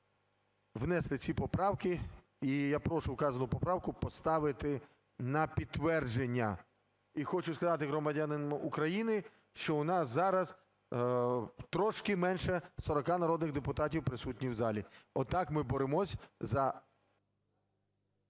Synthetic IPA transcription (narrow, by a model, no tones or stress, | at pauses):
wnɛslˠɪt͡sʲipɔpɾɑwkɪ | ijapɾɔʃʊʊkɑzɐnʊpɔpɾɑwkʊpɔst̪ɑʋɪt̪ɪ | nɐpʲid̪ʋɛrd͡ʒenʲːɐ | ixɔt͡ʃʊskɐzɑt̪̬ɪɦɾɔmɐdʲanɪmʊkɾɐjinɪ | ʃt͡ʃɔʊnɑszɑɾɐz | t̪ɾɔʃkɪmɛnʃɛsɔɾɔkɑnɐɾɔd̪nɪɣd̪epʊt̪ɑtʲiwpɾɪsutʲnʲiwzɑlʲiɔt̪ɑkmɪbɔɾemɔsʲzɐ